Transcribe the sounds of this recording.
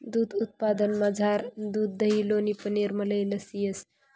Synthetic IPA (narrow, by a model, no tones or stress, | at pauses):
d̪ud̪ut̪̚pad̪ənmad͡zʱaɾd̪ud̪ːəɦilonipəneɾmələjləsijəs